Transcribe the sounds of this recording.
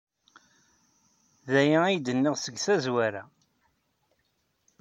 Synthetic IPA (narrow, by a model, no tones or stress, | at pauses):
ðæjæijd̪ənːiʁsəɡθæzwæɾæ